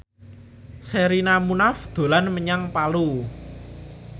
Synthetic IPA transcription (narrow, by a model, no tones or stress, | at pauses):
seɾinamunafd̪̥o̤lanməɲaŋpalu